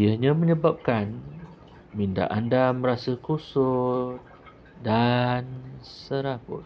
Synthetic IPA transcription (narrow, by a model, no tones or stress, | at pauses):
jahɲãməɲə̃bap̚kan | minda̰ʔandamə̃ɾasəkusʊt̪̚ | dansəɾapʊ̰